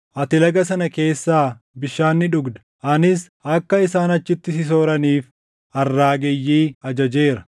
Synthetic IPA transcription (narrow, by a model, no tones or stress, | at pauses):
ʔɐt̪ɪlɐɡɐsɐnɐke̞ːsːaː | bɪʃːaːnːɪᶑʊɡd̪ɐ̥ | ʔɐnɪs | ʔɐkːɐɪsaːnɐt͡ʃːɪt̪ːɪsɪs̬o̞ːɾɐniːf | ɐrːaːɡɛjːiːɐd͡ʒɐd͡ʒe̞ːɾɐ